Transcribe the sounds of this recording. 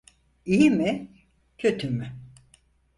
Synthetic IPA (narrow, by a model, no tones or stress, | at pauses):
ijimi | cʰø̞t̪ʰymy